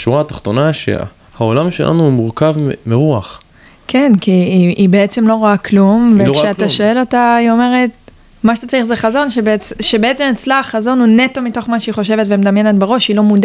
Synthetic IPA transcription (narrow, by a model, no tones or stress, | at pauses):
ʃuʁaːt̪ḁχt̪o̞naʃḛ | hao̞lamʃe̞̰lʔa̰nuːmuʁkavmiʁuaχ | kʰe̞nkiiʔibeet͡se̞mlo̞ʁoaklumvekʃeaaʃo̞e̞lo̞taio̞me̞ʁe̞t̚ | maʃet̪at͡saʁiχzeχazo̞nʃebet͡sʃebeet͡se̞met͡slaχːazo̞nune̞to̞mito̞χmaʃeiχo̞ʃe̞vetvemedamje̞netbeʁo̞ʃilo̞muda